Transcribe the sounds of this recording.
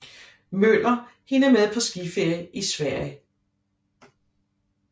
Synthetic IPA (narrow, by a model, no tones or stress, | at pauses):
mølɐhinəæɐmeðˠpʰɒ̽sɡ̥ifeɐjəʔisʋæɐ̰j